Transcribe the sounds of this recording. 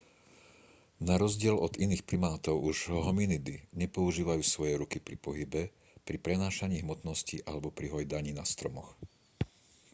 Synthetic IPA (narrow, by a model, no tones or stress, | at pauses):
naɾɔzɟɪɛlɔd̪iniːxpɾimaːt̪ɔʊuʒɦɔminid̪iɲɛpɔuʒiːʋajuːsʋɔjɛɾukipɾipɔɦibɛ | pɾipɾɛnaːʃaɲiːɦmɔt̪nɔsciʔalɛbɔpɾiɦɔjd̪aɲiːnast̪ɾɔmɔx